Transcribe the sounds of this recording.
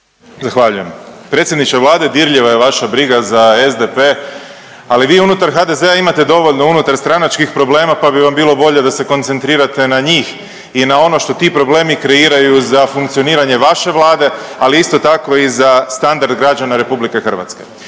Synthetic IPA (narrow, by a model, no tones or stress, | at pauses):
zaxʋaʎuje̞mpɾet̪sʲje̞d̪nit͡ʃaʋlˠaːd̪e̞d̪iɾʎiʋajeʋaʃabɾiɡazaezd̪epe̞ | aliʋiːunut̪aɾxad̪e̞ze̞aimat̪e̞d̪o̞ʋo̞ʎno̞unut̪aɾst̪ɾanat͡ʃkixpɾo̞ble̞ːmapabiʋambiːlˠo̞bo̞ʎe̞d̪ase̞ko̞nt̪se̞nt̪ɾiːɾat̪e̞naɲiːx | inao̞no̞ʃt̪o̞t̪iːpɾo̞ble̞ːmikɾe̞iːɾajuzafuŋkt̪sio̞niːɾaɲe̞ʋaʃe̞ʋlˠaːd̪e̞aliist̪o̞t̪ako̞izast̪and̪aɾd̪ɡɾad͡ʒanaɾe̞publike̞xr̩ʋa̰t̪ske̞̰